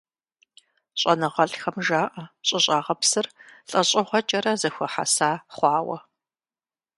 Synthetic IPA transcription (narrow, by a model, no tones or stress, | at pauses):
ɕʼɐnɐʁɐɬxɐmʒaːʔɐɕʼɪɕʼaːʁɐpsɨrɬʼɐɕʼɐʁʷɔt͡ʃʼɐɾɐzɐxʷɐħa̰saːχʷɑːwɐ̰